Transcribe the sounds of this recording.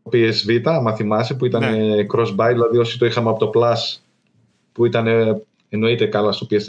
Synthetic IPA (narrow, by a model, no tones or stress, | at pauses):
pie̞zvit̪ɐmɐθimɐsepuit̪ɐnekɾo̞zbɐjðilɐðio̞si̥t̪o̞ixɐmeɐpo̞t̪o̞plɐs | puit̪ɐne | eno̞it̪e̞kɐlɐsso̞pies